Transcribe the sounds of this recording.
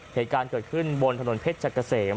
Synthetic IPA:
heː˨˩˦t̪̚kaː˧nkɤ˨˩t̪̚kʰɯ˥˩nbo˧nt̪ʰa˧no˩˦npʰe˦˥t̪̚t͡ɕʰa˨˩kːa˧seː˩

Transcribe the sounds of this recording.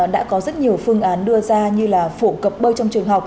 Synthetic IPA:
ɗa̰ː˧˥kɔ˨˦zə˦˥t̚ɲi˨˩əwfɨ˧əŋʔaː˨˦nɗɨ˧əzaː˧ɲɨ˧laː˨˩fo̰˧˩kə˨˩p̚ɓəː˧jt͡ɕɔ˧ŋ͡mt͡ɕɨ˨˩əŋɦa˨˩wk͡p̚

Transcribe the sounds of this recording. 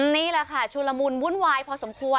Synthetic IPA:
niː˦˥˩la˧˩kʰa˥˩t͡ɕʰuː˧la˧mu˧nmu˦˥˨nwaː˧jpʰɔː˧so˩˦mkʰu˧ə

